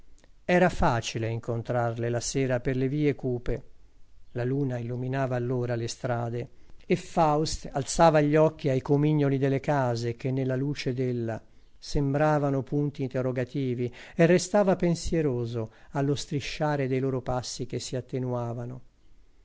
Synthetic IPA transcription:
ɛːɾafaːt͡ʃileiŋkont̪ɾarlelasɛːɾaperleviːekuːpe | laluːnailːuminaːvaːlːoːɾalest̪ɾaːd̪eefawst̪alt̪saːvaʎːɔk̟ːiajkomiɲːolid̪elːekaːzek̟enːelːaluːt͡ʃed̪elːa | sembɾaːvanopunt̪iːnt̪erːoɡat̪iːvierːest̪aːvapensjeɾoːzoalːost̪ɾiʃːaːɾed̪ejloːɾopasːik̟esːiat̪ːenuaːvano

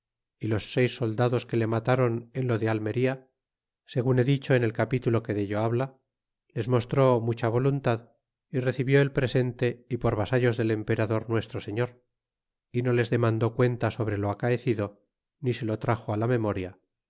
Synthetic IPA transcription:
ilo̞sːe̞jsːo̞ld̪aðo̞ske̞le̞mat̪aɾonenlo̞ðealme̞ɾia | se̞ɣune̞ðit͡ʃo̞ene̞lkapit̪ulo̞ke̞ðeʎoaβla | le̞zmo̞st̪ɾo̞mut͡ʃaβ̞o̞lunt̪að | ire̞θiβjo̞e̞lpɾe̞se̞nt̪e̞ipo̞ɾβasaʎo̞zðe̞le̞mpe̞ɾaðo̞ɾnwe̞st̪ɾo̞seɲo̞ɾ | ino̞le̞zðe̞mãnd̪o̞kwe̞nt̪aso̞βɾe̞lo̞akaeθiðo̞ | nise̞lo̞t̪ɾaxoalame̞mo̞ɾja

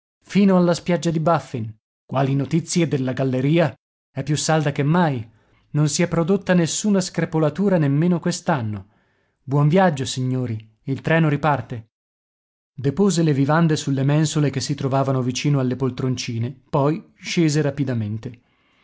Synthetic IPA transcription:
fiːnoalːaspjad͡ʒːad̪ibafːin | kwaːlinot̪it̪sːjed̪elːaɡalːeɾiːa | ɛpːjusːald̪akemːaj | nonsiɛpːɾod̪ot̪ːanesːuːnaskɾepolat̪uːɾanemːeːnokwest̪anːo | bwɔɱvjad͡ʒːosiɲːoːɾi | ilt̪ɾɛːnoɾipart̪e | d̪epoːzelevivand̪esulːemɛnsolekesːit̪ɾovaːvanovit͡ʃiːnoalːepolt̪ɾont͡ʃiːnepɔj | ʃeːzeɾapid̪ament̪e

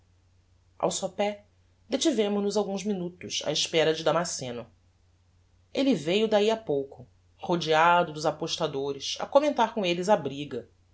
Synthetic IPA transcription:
a̰wsopɛ | d̪et͡ʃivẽmʊʒnʊzawɡũzminut̪ʊʃa̰ɪʃpɛɾɐd͡ʒɪd̪amasẽnʊ | elivejʊd̪aiapowkʊ | hod͡ʒiad̪ʊd̪ʊzapoʃt̪ad̪oɾɪsɐ̰komẽnt̪aɾkõelɪzabɾiɡɐ

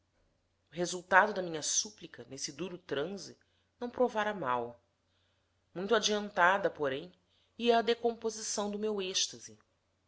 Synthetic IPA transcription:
ʊɦezuwt̪ad̪ʊd̪ɐmĩɲɐsuplikɐnesɪd̪uɾʊt̪ɾɐ̃zi | nɐ̃w̃pɾovaɾɐmaw | mũj̃t̪ad͡ʒiɐ̃nt̪ad̪ɐpoɾẽj̃ | iɐːd̪ekõpozisɐ̃w̃d̪ʊmeweʃt̪ɐzi

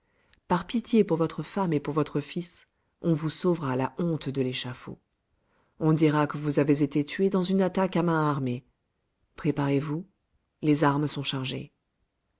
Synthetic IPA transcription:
paʁpit̪jepuʁvɔt̪χəfamepuʁvɔt̪χəfis | ɔ̃vusovʁalaʔɔ̃t̪d̪əleʃafo̰ | ɔ̃d̪iʁakəvuzavezet̪et̪ɥed̪ɑ̃zynat̪akamɛ̃aʁme | pχepaʁevu | lezaʁməsɔ̃ʃaʁʒḛ

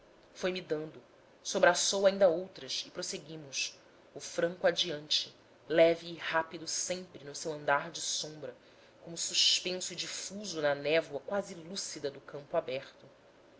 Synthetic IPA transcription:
fojmid̪ɐ̃nd̪ʊ | sobɾasowaĩnd̪ɐowt̪ɾɐsɪpɾoseɡĩmʊs | ʊfɾɐ̃ŋkuad͡ʒiɐ̃nt͡ʃɪ | lɛviːhapid̪ʊsẽmpɾɪnʊsewɐ̃nd̪aɾd͡ʒɪsõmbɾɐ | kõmʊsuspẽsʊid͡ʒifuzʊnɐnɛvwɐkwazɪlusid̪ɐd̪ʊkɐ̃mpʊabɛχt̪ʊ

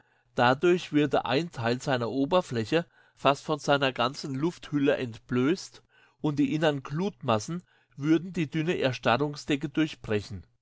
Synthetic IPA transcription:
d̥adʊɐçv̥ʏɐdə̰ʔa̰ɪntʰaɪlzaɪnɐʔoːbɐflɛçə | fastfɔnzaɪnɐɡant͡sn̩lʊfthʏləʔɛntb̥løːst | ʔʊnt̚d̥iːʔɪnɐnɡluːtmasn̩ | vʏɐdn̩diːdʏnəʔɛɐʃtaʁʊŋsd̥ɛkədʊɐçb̥ʁɛçn̩

